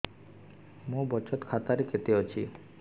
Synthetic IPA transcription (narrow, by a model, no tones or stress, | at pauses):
mũbɔt͡ʃɔt̪kʰat̪aɾeket̪eot͡ʃʰi